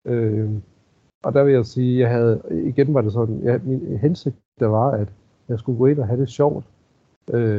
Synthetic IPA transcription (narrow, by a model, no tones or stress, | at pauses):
ø | ʔɒ̽d̥æʋe̝jɑ̈siːjɑ̈ɪɦæð̞̩ˠiɡ̥enʋɑ̈ɾe̝s̬ɒ̽d̥n̩jɑminɦense̝ɡ̥̚ɐʋɑ̈æd̥ | jɑ̈ɪsɡ̥uɡ̥ɔe̝nɒɦæɾ̥e̝ɕɒʊ̰d̥ | ʔø